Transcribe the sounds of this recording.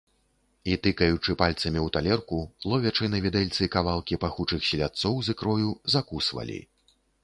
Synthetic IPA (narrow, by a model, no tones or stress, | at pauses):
it̪ɨkɐjut͡ʂɨpalʲt̪sɐmʲiwt̪alʲɛrkulˠɔvʲɛt͡ʂɨnɐvʲid̪ɛlʲt̪sɨkavalˠkʲipaxut͡ʂɨxsʲilʲat̪sɔwzɨkɾɔjuzakusvɐ̰lʲḭ